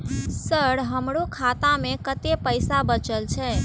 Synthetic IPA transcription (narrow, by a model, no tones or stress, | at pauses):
səɽɦəmɾokʰat̪ãmekət̪epəjsabət͡ʃəlt͡ʃʰɛ